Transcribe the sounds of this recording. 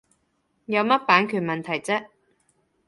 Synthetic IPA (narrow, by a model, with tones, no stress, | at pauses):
jɐ˨˧wmɐ˥t̚paː˨˥nkʰyː˨˩nmɐ˨nt̪ʰɐ˨˩jt͡sɛ˥